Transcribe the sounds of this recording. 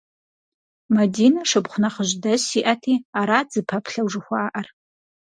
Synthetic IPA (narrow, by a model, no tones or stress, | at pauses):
mɐdinaʂɨbχʷnɐχəʒdɐsiʔatʰiːaɾad͡zɨpʰɐpʰɬɐwʐɨxʷaːʔɐr